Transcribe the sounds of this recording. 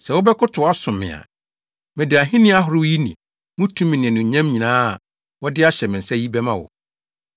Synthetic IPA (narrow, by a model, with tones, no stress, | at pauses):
sɛ˨wʊ˦bɛ˦kʰʊ˦tʰʊ˨a˦sʊ̃˨mːɪ̰̃˨a̰˨ | mɪ̃˨dɪ˨a˨ɦɪ̃˦nɪ̃˦a˦ɦʊ˨ɾɪ˦wji˦nḭ̃˨ | mʊ̃˦tʰũ˦mɪ̃˨nɪ̃˨ɛ̃˨nʊ̃˨ɲã˦mɲĩ˨nãː˦˨ | wɔ˦dɪ˦a˦ɕɛ˨mɪ̃˨n̩˨sɛ˦ji˦bɛ˦mã˦wɔ̰˨